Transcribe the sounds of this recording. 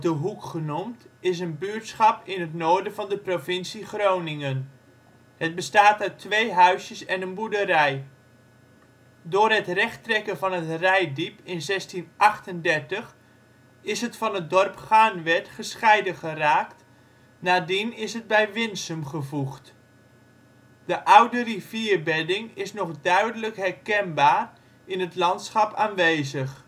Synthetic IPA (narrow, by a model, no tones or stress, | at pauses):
dəɦukχənumtɪs̬ənbyəɹtsχɑpɪnətnoːɹdəvɑndəprovɪnsiχrownɪŋən | hət̚bəstaːtaɥtʰʋejɦœɥsjəsɛnənbudəɾɛj | dʊːrɦətrɛχtrɛkənvɑnətrɛjdipɪnzɛstinʔɑχtəndɛrtəχ | ɪsɦətfɑnət̚dɔrpχaːnʋɛtχəsχɛjdəχəraːkt | naːdinɪsɦəd̚bɛjʋɪnsəmχəvuχt | d̥əʔawdəriv̥iərbɛdɪŋɪsnɔχdœɥdələkɦɛrkɛnbaːr | ɪnətlɑntsχɑpaːnʋeːzəx